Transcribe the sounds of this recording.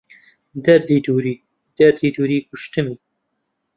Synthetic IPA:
d̪ɛɾd̪iːd̪uːɾiː | d̪̥ɛɾd̪iːd̪uːɾiːkʰʊʃt̪ɨmi

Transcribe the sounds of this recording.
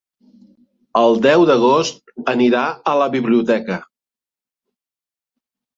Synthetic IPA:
əlˠd̪ɛwðəɣ̞ost̪̚əniɾaələβiβliut̪ɛkə

